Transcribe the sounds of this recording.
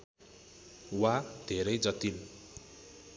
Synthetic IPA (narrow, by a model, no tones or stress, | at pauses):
wad̪̥ʱeɾʌjd͡zʌt̪il